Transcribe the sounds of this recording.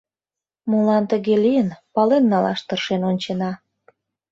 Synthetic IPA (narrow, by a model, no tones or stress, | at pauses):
mulɑnt̪əɣelijənpɑlenːɑlɑ̰ʃt̪ərʃenonʲt͡ɕenɑ